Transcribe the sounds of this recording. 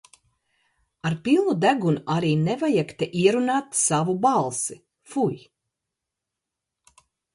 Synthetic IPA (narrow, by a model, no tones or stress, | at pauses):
aɾpilˠnud̪æɡunuʔaɾiːnevajɛkt̪ɛʔiɛɾunaːt̪savubalˠsi | fuj